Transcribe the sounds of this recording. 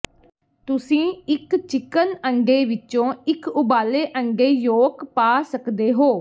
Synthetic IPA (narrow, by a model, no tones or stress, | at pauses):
t̪ʊsĩːɪkt͡ʃɪkənəŋɡeːʋɪt͡ʃõːɪkʊbaːleːʔəŋɡeːjoːkpaːsəkd̪eːɦoː